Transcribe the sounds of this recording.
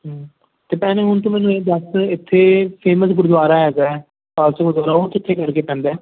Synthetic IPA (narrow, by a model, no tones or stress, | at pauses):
ɦː | t̪eːpɛːnẽːɦʊnt̪ũːmɛːnũeːd̪əsɪt̪ʰːeːpʰeːməsɡʊɾd̪ʋaːɾaːɛːzaɛ | kaːlsəɡʊɾd̪aːɾaːot̪ɪt̪ʰːeːkəɾkeːpɛ̃ːnd̪ɛː